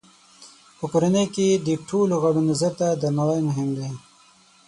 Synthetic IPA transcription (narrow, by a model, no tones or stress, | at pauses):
pəkoɾanəjked̪əʈʰoloɣabunazaɾt̪ad̪ənawajmʊɦɪmd̪e